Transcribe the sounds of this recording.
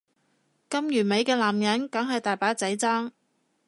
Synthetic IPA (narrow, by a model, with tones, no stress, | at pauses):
kɐ˥mjyː˨˩me˨˧jkɛː˧laː˨˩mjɐ˨˥nkɐ˨˥ŋɦɐ˨jt̪aː˨˩jpaː˨˥t͡sɐ˨˥jt͡saː˥ŋ